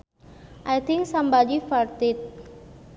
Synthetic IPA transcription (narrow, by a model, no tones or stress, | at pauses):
ʔajt̪ʰĩŋksãmbad͡ʒifaɾt̪it̪̚